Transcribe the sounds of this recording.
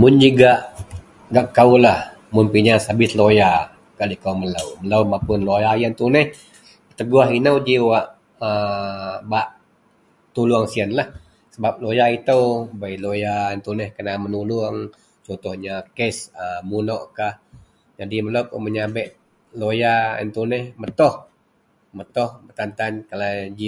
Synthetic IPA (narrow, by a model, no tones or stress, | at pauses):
mʊnd͡ʒuɡaʔ | ɡaʔkaulah | mʊnpiɲasabɪsloja | kaʔlikauməlawmələwmapʊnlojajant̪unɛh | ət̪əɡuaɦinawd͡ʒiwaʔ | ə | baʔ | t̪uluaŋsiənlah | səbap̚lojait̪əwbajlojaənt̪unɛhkənamənuluəŋ | t͡ʃɔnt̪ɔhɲakɛsəmunoʔkah | d͡ʒadiməlawkoməɲabɛʔ̪̚ | lojaə̰nt̪unɛhmət̪ɔh | mət̪ɔhbət̪ant̪ankalad͡ʒi